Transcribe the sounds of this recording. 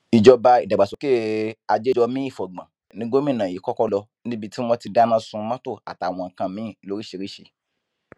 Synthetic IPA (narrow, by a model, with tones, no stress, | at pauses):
i˨d͡ʒɔ˧ba˧i˨da˨ɡ͡ba˨so˨˦ke˦˨a˧d͡ʒe˦d͡ʒɔ˧mĩ˦i˦˨fɔ˨ɡ͡bã˨ | nĩ˦ɡ͡bo˦mĩ˦˨nã˨i˨˦kɔ˦kɔ˦lɔ˧nĩ˦bi˧ti˦mɔ̃˧ti˧da˦nã˦sũ˧mã˦to˦˨a̰˨ta˨w̃ɔ̃˨ŋ̩˨kã˧mĩ˨˦˨lo˨˦ɾi˦ʃe˧ɾi˦ʃḭ˧